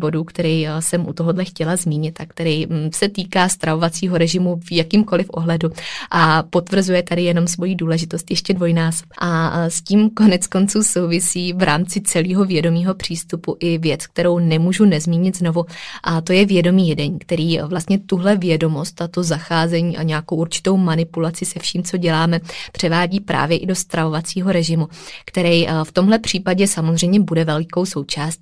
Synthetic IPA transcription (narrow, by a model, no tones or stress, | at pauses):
bo̞duːkt̪ɛɾɛjsɛmʔut̪oɦodlɛxcɛlazmiːɲɪt̪ak̚t̪ɛɾɛjsɛt̪iːkaːst̪ɾavo̞vat͡siːɦo̞ɾɛʒɪmuvjakiːmko̞lɪfʔo̞̰ɦlɛduʔapo̞t̪vr̩zujɛt̪adɪjɛno̞msvo̞jiduːlɛʒɪt̪o̞st̪jɛʃcɛdvo̞jnaːspʔasciːmko̞nɛt͡sko̞nt͡suːso̞wvɪsiːvɾʔaːmt͡sɪt͡sɛliːɦo̞vjɛdo̞miːɦo̞pr̝̥iːst̪upuʔɪvjɛt͡sk̚t̪ɛɾo̞wnɛmuːʒunɛzmiːɲɪt̪zno̞vuʔat̪o̞jɛvjɛdo̞miːjɛdɛɲkt̪ɛɾiːvlast̪ɲɛt̪uɦlɛvjɛdo̞mo̞st̪at̪ozaxaːzɛɲiːʔaɲɛakowʔuɾt͡ʃɪ̥t̪o̞wmanɪpulat͡sɪsɛfʃiːmt͡so̞ɟɛlaːmɛpr̝̥ɛvaːɟiːpɾa̰ːvjɛʔɪdo̞st̪ɾavo̞vat͡siːɦo̞ɾɛʒɪmukt̪ɛɾɛjft̪o̞mɦlɛpr̝̥iːpaɟɛsamozr̝ɛjmɲɛbudɛvɛlɪko̞wso̞wt͡ʃaːst̪̚